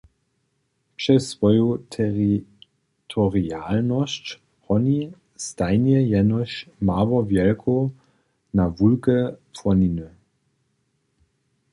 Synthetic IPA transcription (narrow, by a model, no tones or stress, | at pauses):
pʃɛsːvɔjotʰɛʁi | tʰɔʁialnɔst | hɔni | stanjɛjɛnɔɕmaːvɔvjɛlkʰo | navulkəfɔninø